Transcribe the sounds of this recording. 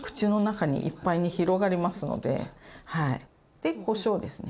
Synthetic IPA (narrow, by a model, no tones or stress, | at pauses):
kɯ̥t͡ɕino̞nakaɲ̟ḭʔḭpːaiɲ̟içiɾo̞ɡaɾʲimasɨno̞̰d̪e̞̰haḭ | d̪̥e̞ko̞ːɕo̞ːd̪e̞sɨne